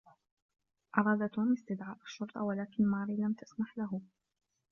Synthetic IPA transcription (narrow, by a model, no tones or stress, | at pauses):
ʔɑɾˤɑːd̪at̪oːmɪst̪ɪd̪ʕaːʔaʃːʊɾt̪ˤɑwalaːkɪnmɑːɾiːlamt̪ḁsmaħlaɦʊ